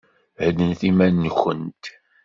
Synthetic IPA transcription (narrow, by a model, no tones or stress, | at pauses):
həd̪ənθimænːəxːə̰nt̪